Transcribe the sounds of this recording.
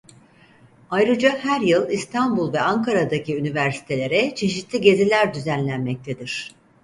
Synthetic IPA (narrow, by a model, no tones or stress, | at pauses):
ajɾɯd͡ʒahæɾjɯlˠist̪ʰanbulˠvɛaŋkʰaɾad̪aciynivæɾsi̥t̪ʰe̞lʲe̞ɾɛt͡ʃʰe̞ʃit̪ʰlʲiɟe̞zilʲæɾd̪yzænlʲænmɛc̚t̪ʰe̞d̪iɾ̝̥